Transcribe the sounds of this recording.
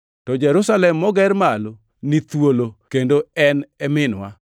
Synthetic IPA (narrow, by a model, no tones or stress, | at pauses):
tɔd͡ʒɛɾʊsalɛmːɔɡɛɾmalo | nit̪wolokendoɛnɛmɪnwa̰